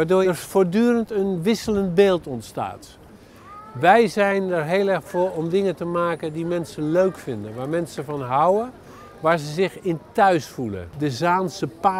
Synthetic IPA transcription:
aːɹdoːfoːɹdyːrəntənʋɪsələntbeːlˠtɔntsta̰ːt | ʋɛjzɛjnərɹɦeːlˠɛxfʊːɹɔmdɪŋətəmaːkəndimɛnsəløɥkfɪndənʋaːɹmɛnsəvɑnɦawə | ʋaːɹzəzɪxɪntœɥsfulə̰dəzaːnsəpa

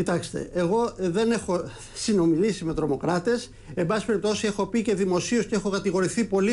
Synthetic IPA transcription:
cit̪ɐkst̪e̞̰eɣo̞ðe̞ne̞xo̞ | sino̞milisime̞t̪ɾo̞mo̞kɾɐt̪e̞s | embɐsi̥pe̞ɾip̚t̪o̞sie̞xo̞pice̞ðimo̞sio̞sceexo̞kɐt̪iɣo̞ɾiθipo̞li

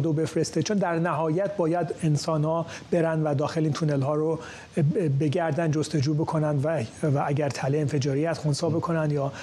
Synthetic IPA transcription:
d̪obe̞fɾest̪et͡ʃʰond̪æɾnæɦɒːjæt̪̚ʰbɒːjæd̪e̞nsɒːnhɒːb̥e̞ɾænd̪væd̪ɒːxe̞liːnt̪ʰunelɦɒːɾo | be̞ɡæɾd̪ænd̪d͡ʒost̪e̞d͡ʒuːbe̞kʰo̞nænd̪væʔæɡæɾt̪ʰæleenfe̞d͡ʒɒːɾiːhæst̪χonsɒːbe̞kʰo̞nænd̪jɒː

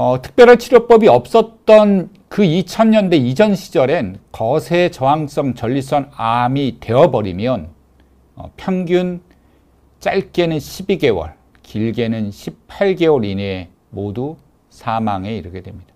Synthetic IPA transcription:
ʌtʰɯ̥k̚pjʌɾɦaɭt͡ɕʰiɾjop͈ʌbiʌp̚s͈ʌt̚t͈ʌn | kɯit͡ɕʰʌɲɲʌnde̞id͡ʑʰʌnɕʰid͡ʑʌɾe̞nkʌsʰe̞t͡ɕʌɦaŋs͈ʌŋt͡ɕʌʎːis͈ʌnamite̞ʌbʌɾimjʌn | ʌ̰pʰjʌŋɡjun | t͡ɕ͈aɭk͈e̞nɯnɕʰibiɡe̞wʌ̰ɭ | kiɭɡe̞nɯnɕʰippʰaɭɡe̞wʌɾine | modu | sʰamaŋe̞iɾɯɡe̞dwe̞mɲid̥a

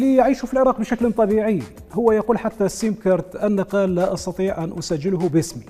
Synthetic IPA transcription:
lijʕiːʃufilʕɪɾˤɑːqbʃæklt̪ˤɑbiʕij | hʊwːæjɑquːlħat̪ːasimkɑɾˤt̪ʔænːɑqɑlːaʔɑst̪ɑt̪ˤiːʕʔænʔʊsaʒːɪlhʊbɪsmi

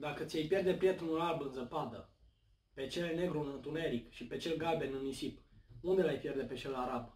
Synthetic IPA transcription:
d̪akət̪sʲjejpje̞rd̪e̞pɾʲijet̪ɾunulalbɨnzəpad̪ə | pe̞t͡ʃe̞lene̞ɡɾunɨnt̪une̞ɾikʃipe̞t͡ʃe̞lɡalbe̞nɨnisipund̪e̞lajpʲje̞rd̪e̞pe̞t͡ʃe̞laɾab

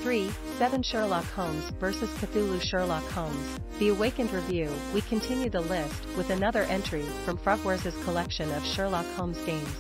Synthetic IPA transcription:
θɹi | sɛvɨ̃nʃɜɹlɑkhõʊ̃mzvɜ˞sɨz̥kʰɨθʉlˠuʃɜɹlɑkhõʊ̃mz̥ | ðiəweɪkɨ̃ndɹivjʉ | wikʰɨ̃ntʰɪ̃njʉd̪̚ðəlɪst̚wɨðɨnʌðə˞ʔɛ̃nt͡ʃɹ̥ifɹʌ̃ɱfɹɑɡwɜ˞zɨz̥kʰəlɛkʃɨ̃nʌv̥ʃɜɹlɑkhõʊ̃mzɡẽɪ̃mz̥

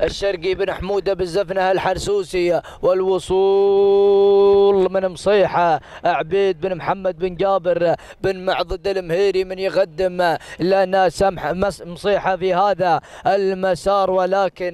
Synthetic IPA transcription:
ʔɪʃːɑɾˤɡibɪnaħmuːd̪abɪzːafnahalħɑɾˤsuːsi | wɪlwʊsˤuː | lmɪnmsˤiːħaʔaʕbiːd̪̚bɪnmħamːad̪̚bɪnd͡ʒaːbɪɾ | bɪnmaʕðˤɨd̪ɪlmhiːɾimɪnjɣad̪ːɪmlanasamsˤiːħafihaːðaɪlmasɑːɾˤwalaːkɪn

